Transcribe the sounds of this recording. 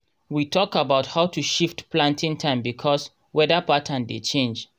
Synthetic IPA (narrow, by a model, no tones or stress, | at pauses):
witʰɔkabaʊthaʊtʰuʃiftplãntĩŋtʰãɪ̃mbikʰɔs | wɛdəpatʰə̃ndḛt͡ʃẽnd͡ʒ